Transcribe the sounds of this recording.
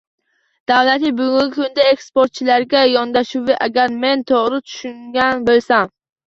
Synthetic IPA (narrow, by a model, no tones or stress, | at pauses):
d̪̥awlat̪ɪbʊɡʊŋɡʲɪkʰʊnd̪aekspoɾt̪̚t͡ʃʰɪlaɾɡʲajɒnd̪aʃuvɪʔaɡʲaɾme̞nt̪ʰoʁɾɪt̪ʰʊ̥ʃʊŋɡʲanbolˠsam